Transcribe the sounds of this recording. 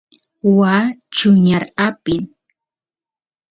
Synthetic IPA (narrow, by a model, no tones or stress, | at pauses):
waːt͡ʃʊɲaɾapɪl